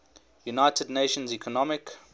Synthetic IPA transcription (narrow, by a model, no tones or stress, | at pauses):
junaɪtʰədneʃə̃nzikʰɔnɔmɪk